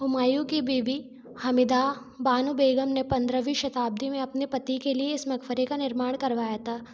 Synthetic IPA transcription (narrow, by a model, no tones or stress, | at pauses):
ʊmaːjukibiːbi | hɐmɪd̪a | baːnubeːɡəmnepɐ̃nd̪ɾəʋiʃɐt̪aːb̚d̪imẽɐpnepɐt̪ikelieɪsmɐkfəɾekanɪɾmaːɽ̃kɐɾʋaːjat̪ʰaː